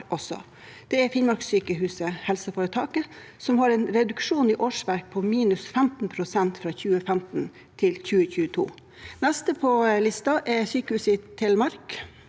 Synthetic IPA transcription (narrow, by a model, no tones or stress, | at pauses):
ɔsɔ̰ | d̪̥ɛɛɾfɪnmɑɾksyːkəɦʉːsəhɛlsəfoːɾət̪ʰɑːkəsɔmhɑɾɛnɾɛd̪ʉkʂuːniːʔoːʂʋæɾk̚pʰɔmiːnʉsfæmt̪npʰɾʊsɛnt̪fɾɑːçʉːəfæmt̪n̩ | t̪ʰɪlçʉːəçʉːət̪ʰṵː | næst̪əpʰɔlɪst̪ɑʔɛsyːkəhʉːsət̪ʰɪlmɑɾk